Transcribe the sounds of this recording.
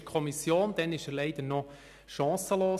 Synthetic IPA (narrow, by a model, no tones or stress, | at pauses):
kʰɔmisjoːnd̥̪ɛnɪʃəlɛɪd̥̪ənɔ | ʃɑ̃ːsəloː